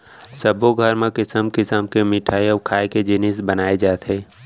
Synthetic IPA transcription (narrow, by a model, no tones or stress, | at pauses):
səboɡʱəɾmẽkɪsəmkɪsəmkemɪʈʰaːjɔːkʰaːeked͡ʒɪnɪsbənaːed͡ʒaːt̪ɦeː